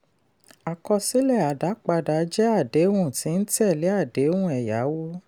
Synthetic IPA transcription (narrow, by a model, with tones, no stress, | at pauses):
a˨kɔ˧si˦lɛ˦˨a˨da˨˦k͡pa˧da˨˦d͡ʒɛ˦a˦˨de˨˦wũ˦˨ti˨˦n̩˦tɛ˦˨le˨˦a˦˨de˨˦wũ˦ɛ˨ja˨˦wo˦